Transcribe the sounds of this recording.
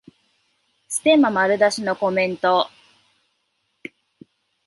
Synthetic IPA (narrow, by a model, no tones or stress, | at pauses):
sɨ̥t̪e̞mamaɾɯ̟d̪aɕino̞ko̞mẽ̞nt̪o